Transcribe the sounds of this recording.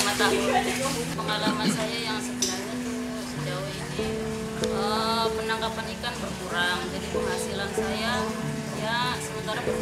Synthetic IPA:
mat̪akukəmuupəŋalamansajajaŋsəkəlad͡ʒat̪umusəd͡ʒauini | əpənaŋkapanikanbərkuɾaŋd͡ʒadipəŋhasilansaja | jasəmənt̪aɾa

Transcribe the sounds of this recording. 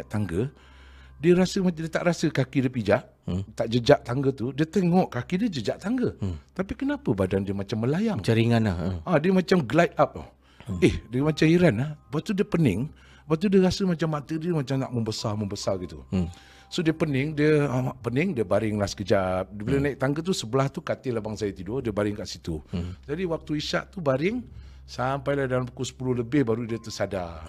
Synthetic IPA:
aʔt̪aŋɡə | diəɾasəmadiət̪aʔɾasəkakidiəpid͡ʒaʔ | t̪aʔd͡ʒəd͡ʒaʔt̪aŋɡət̪udiət̪əŋɔʔkakidiəd͡ʒəd͡ʒaʔt̪aŋɡət̪apikənapəbadandiəmat͡ʃamːəlajaŋt͡ʃəɾiŋana̰həadiəmat͡ʃamɡlajt̪̚ap̚a̰ | ɪhdiəmat͡ʃamiɾanahpat̪udiəpənɪŋ | pat̪̬udiəɾasəmat͡ʃamːat̪ədiəmat͡ʃamnaʔməmbəsaməmbəsarɡit̪ṵ | sodiəpənɪŋdiəaapənɪŋdiəbaɾɪŋlahsə̥kəd͡ʒap̚dəbilənaik̚t̪aŋɡət̪̬usəbəlaht̪ukat̪ɪhlahbaŋsajət̪idodiəbaɾɪŋkaʔsit̪ud͡ʒadiwak̚t̪uiʃa̰ʔt̪ubaɾɪŋ | sampajlahdalampukusə̥pulʊhləbɪhbaɾudiət̪əsada

